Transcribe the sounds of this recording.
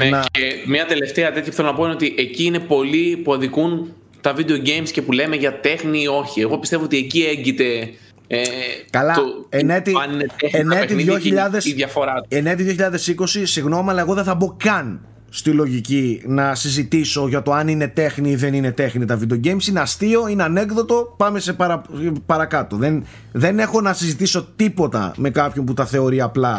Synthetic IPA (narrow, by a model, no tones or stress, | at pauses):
nɐemɲɐt̪e̞le̞ft̪eɐt̪et̪çɐpu̥θelonɐpo̞ineo̞t̪iʔeciine̞po̞lipuɐðikun | t̪ɐvid̪eoɟejmsce̞pule̞meʝɐt̪e̞xnio̞çieɣo̞pist̪evoot̪iecieɲɟit̪e̞ | ekɐlɐenet̪iɐnineeenet̪ijoçiʎɐðesðʝɐfo̞ɾɐenet̪iðjoçiʎɐðe̞siko̞sisiɣno̞miɐlɐe̞ɣo̞ðeθɐbo̞kɐn | st̪ilo̞ʝicinɐsizit̪iso̞ʝɐt̪o̞ɐnine̞t̪e̞xniiðe̞ninet̪e̞xnit̪ɐvid̪oɟejmsineɐst̪io̞ineɐne̞kðo̞t̪o̞pɐme̞sepɐɾɐpɐɾɐkɐt̪o̞ðen | ðe̞ne̞xo̞nɐsizit̪iso̞t̪ipo̞t̪ɐ̰me̞kɐpço̞np̬ut̪ɐθe̞o̞ɾiɐplɐ